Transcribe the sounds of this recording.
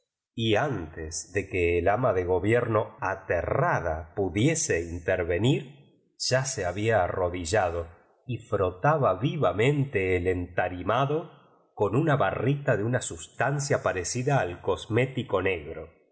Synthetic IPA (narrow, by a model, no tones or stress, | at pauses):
iant̪ezðe̞keːlamaðe̞ɣ̞o̞βjeɾno̞at̪erað̞apuðje̞seint̪eɾβe̞niɾ | ʒ̥aseaβiaːro̞ðiʒaðo̞ | ifɾo̞t̪aβaβiβamẽ̞nt̪eːlent̪aɾimaðo̞ | ko̞nunaβarit̪aðeunasust̪ans̬japaɾesiðaːlko̞zme̞t̪iko̞ne̞ɣɾo̞